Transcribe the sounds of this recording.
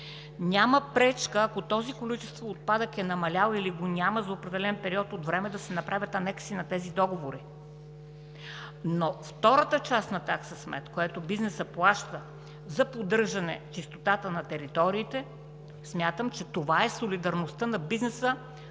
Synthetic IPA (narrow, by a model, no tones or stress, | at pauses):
nʲaməpɾɛt͡ʃkəːkot̪ɔzikolit͡ʃɛ̥st̪voːt̪̚pad̪əkɛnɐmɐlʲalˠiliɡonʲaməzɐopɾɛd̪ɛlɛnpɛɾiɔt̪ot̪vɾɛmɛd̪ɐsɛnɐpɾavʲɐt̪ɐnɛksinɐt̪ɛzid̪ɔɡovoɾi | noft̪ɔɾət̪ət͡ʃast̪nɐt̪aksəsmɛ̰t̪kojɛt̪obiznɛsəplˠaʃt̪ə | zɐpod̪ɤɾʒɐnɛ̰t͡ʃist̪ot̪at̪ənɐt̪ɛɾit̪ɔɾiːt̪ɛ | smʲjat̪əmt͡ʃɛt̪ovaɛsolid̪ɐɾnost̪ənɐbiznɛsə